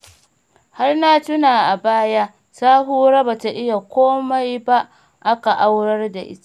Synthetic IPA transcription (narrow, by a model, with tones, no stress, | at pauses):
ha˦rna˦tʊ˦naː˨ʔa˨baː˦ja˦ | saː˦ɦuː˦ɾa˦ba˨ta˨ʔɪ˦ja˨kʷoː˦ma˦jba˦ʔ | ʔa˦ka˨ʔa˦wɽɐ˦rda˨ʔɪ̰˦ta˨